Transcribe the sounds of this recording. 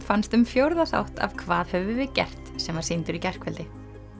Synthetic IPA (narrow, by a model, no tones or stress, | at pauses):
fanst̪ʏmfjowɾðaθa̰wht̪a̰vkʰvaːðhœvʏvɪcɛ̰r̥t̪sɛmvḁsint̪ʏɾicɛr̥kvɛlt̪ɪ